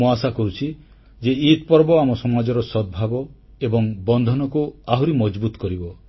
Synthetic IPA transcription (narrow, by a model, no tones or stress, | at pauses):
uasakɔɾut͡ʃʰi | d͡ʒeit̪̚pɔɾbɔamɔsɔmad͡ʒɔɾɔsɔd̪̚bʱabɔ | ebɔŋbɔnd̪ʱɔnɔkuaɦuɾimɔd͡ʒbut̪ɔkɔɾibɔ